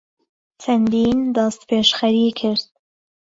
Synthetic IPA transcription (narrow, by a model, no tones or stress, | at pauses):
t͡ʃʰɐnd̪iːnd̪ɑst̪pʰeːʃxɐɾiːkʰɪɾd̪̥̚